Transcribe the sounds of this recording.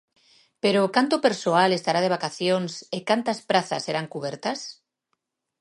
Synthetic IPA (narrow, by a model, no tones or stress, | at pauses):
peɾokant̪opeɾsoalest̪aɾaðeβakaθjonsekant̪aspɾaθa̰sːeɾaŋkuβ̞eɾt̪as